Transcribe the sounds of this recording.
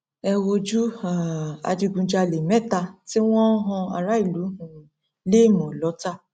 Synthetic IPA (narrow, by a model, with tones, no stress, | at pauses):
ɛ˧wo˧d͡ʒu˦a˨a̰˧d͡ʒi˧ɡũ˧d͡ʒa˧˨le˨mɛ˦˨ta˧ti˦w̃ɔ̃˦ɦɔ̃˧a̰˨ɾa˦i˦˨lu˨˦hũ˦˨ | le˦˨mɔ̃˨lɔ˨˦ta˦˨